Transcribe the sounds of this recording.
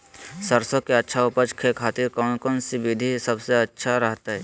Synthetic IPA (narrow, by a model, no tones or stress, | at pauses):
səɾsõkeɐtːʃʰaʊpəd͡ʒkʰekʰaːt̪ɪɾkɔːnkɔːnsiʋɪd̪ʱisɐbseɐtːʃʰaɾɐɦt̪aɦɛː